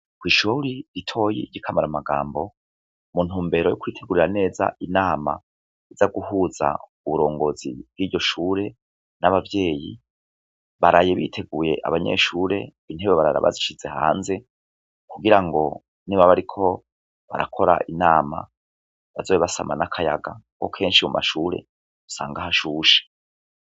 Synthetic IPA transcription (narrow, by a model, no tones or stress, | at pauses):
kwiːʃuɾiɾitʰo̞jḭɟikʰamaɾamaɡaːmbo̞ | mun̥uːmbe̞ɾo̞jokuitʰe̞ɡuɾiɾane̞ːza̰ʔinaːma̰ | izaɡuɦuːza̰ | uβuɾo̞ːŋɡo̞zḭb̥ɡiːɾɟo̞ʃuːɾe̞ | naβavje̞ːjḭ | βaɾajeβitʰe̞ɡuje̞ʔa̰βaɲe̞̰ːʃuːɾe̞ | in̥eβeβaɾaɾa̰βa̰ziʃiz̥e̞ha̰ːnze̞ | kʰuɡiɾaŋɡo̞ | niβaβaɾikʰo̞ | βa̰ɾakʰo̞ɾa̰ʔinaːma̰ | βazoːβiβasamanakʰajaɡaŋko̞̰kʰe̞ːnʃimumʔa̰ʃuːɾe̞ | u̥sa̰ːŋɡahaʃuːʃe̥